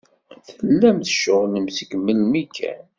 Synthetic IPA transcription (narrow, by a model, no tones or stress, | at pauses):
θəlːæmθə̥ʃːʊʁləmsikmːəlmikʰːæ̰n